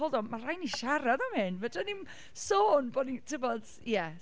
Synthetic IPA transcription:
ɔlˠdɔmarajniʃaɾaðɔmhɨnvədənim | soːnbonitʰɪvɔd̥ | jɛ

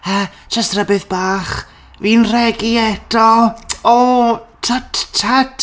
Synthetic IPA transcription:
ḁ | t͡ʃastrəbɨðbaːχ | viːnrɛɡiɛd̥ɔotʰattʰat

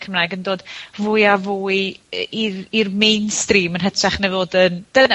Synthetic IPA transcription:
kʰəmraːjɡəndoːd̥vuːjavuːjiirmejnstriːmənɦətʰɛχnevoːdənd̥ən

